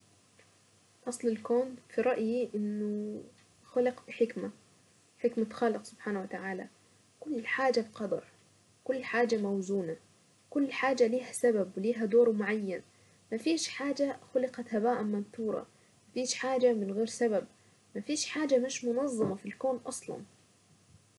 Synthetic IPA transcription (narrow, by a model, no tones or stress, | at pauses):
ʔɑsˤlɪlkoːnfiɾˤɑʔjiʔɪnːʊ | xʊlɪqbħɪkma | ħɪkmat̪xɑːlɪqsʊb̥ħaːnwat̪aʕaːla̰ | kʊlːħaːd͡ʒabqɑd̪ɑ̰ɾˤ | kʊlːħaːd͡ʒamawzuːna | kʊlːħaːd͡ʒaliːɦasababwɪliːɦad̪oːɾwmʊʕajːan | mafiːʃħaːd͡ʒaxʊlɪqɑt̪habaːʔamːanθuːɾˤɑ̰ | mafiːʃħaːd͡ʒamɪnɣeːɾsabab̚ | mafiːʃħaːd͡ʒamɪʃmʊnɑðˤːɑmɑfilkoːnʔɑsˤlɑ̰n